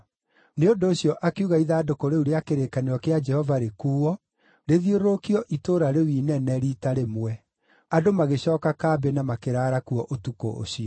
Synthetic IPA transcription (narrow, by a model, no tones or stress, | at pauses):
neondoːɕjɔʔakeuɣaiðaːdokoɾeuɾeakeɾekaneɾɔkead͡ʒɛhɔvaɾekuːɔ | ɾeðioɾokiɔʔitoːɾaɾewiːnɛnɛɾitaɾemwɛ | adomaɣeɕɔːkakaːbɛnamakeɾaːɾakuɔʔotuko̰ʔo̰ɕiɔ